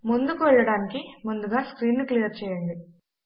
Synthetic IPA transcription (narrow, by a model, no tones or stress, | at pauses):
mund̪ukuʋɛɭːɐɽaːnikimund̪uɡaːskɾiːnːuklijɐɾt͡ʃɛːjɐɳɖ̪i